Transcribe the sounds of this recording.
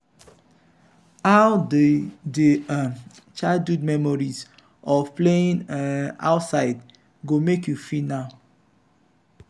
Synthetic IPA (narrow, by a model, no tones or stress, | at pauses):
aʊ | de | t͡ʃadudmɛmɔɹiz | ɔvpleĩna̰ʊtsaɪd | ɡomekjufinaʊ